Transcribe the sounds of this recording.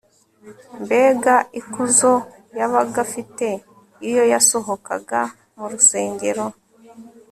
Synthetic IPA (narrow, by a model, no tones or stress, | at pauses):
mbe̞ːɡaikuzo̞ | jaβaɡafite̞ | ijo̞jaso̞ɦo̞ka̰ɡa | muɾuse̞ːŋɡe̞ɾo̞